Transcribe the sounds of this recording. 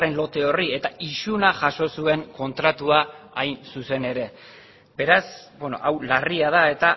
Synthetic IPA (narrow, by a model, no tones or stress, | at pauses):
renlo̞t̪e̞o̞rie̞t̪aisunaʝaso̞sue̞ŋko̞nt̪ɾat̪uaːjnsuse̞ne̞ɾe̞ | be̞ɾasbweno̞̰ʔawlariað̞ae̞t̪a